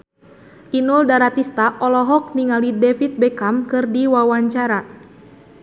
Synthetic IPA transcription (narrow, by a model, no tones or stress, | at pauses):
ʔinuldaɾat̪ist̪aʔɔlɔɦɔk̚niŋalidɛfit̪̚bɛkamkɨrdiwawaɲt͡ʃaɾa